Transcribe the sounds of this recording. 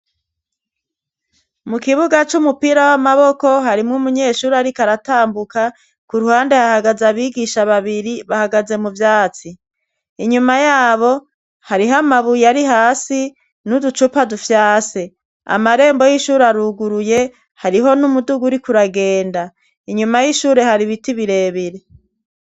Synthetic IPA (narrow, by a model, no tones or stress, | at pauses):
mukiβuɡat͡ʃumupiɾawamaβo̞ko̞ɦaɾimŋumuɲe̞ːʃuːɾaɾikaɾataːmbuka | kuɾuhaːnde̞hahaɡazaβiːɡiʃaβaβiɾiβahaɡaze̞muvjaːt͡si | iɲumajaːβo̞ | haɾiɦamaβujaɾiɦaːsi | nudut͡ʃupadufjaːse | a̰maɾe̞ːmbo̞jiʃuːɾaɾuɡuɾuje̞ | haɾiɦo̞numuduɡuɾikuɾaɡe̞ːnda | iɲumajiʃuːɾe̞haɾiβitiβiɾe̞ːβiɾe̞